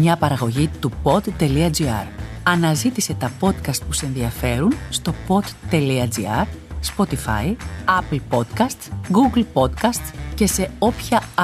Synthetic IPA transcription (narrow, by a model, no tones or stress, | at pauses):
ɲɐpɐɾɐɣo̞ʝit̪upo̞d̪ːe̞liɐd͡ziɐ̰ɾ | ɐnɐzit̪ise̞t̪ɐpo̞t̪kɐst̪̚pusee̞nðiɐfe̞ɾunst̪o̞po̞d̪t̪ːe̞liɐd͡zḭɐ̰ɾspo̞t̪ifɐ̰jɐplpo̞t̪kɐst̪ɡuɡlpo̞t̪kɐst̪ce̞se̞o̞pçɐ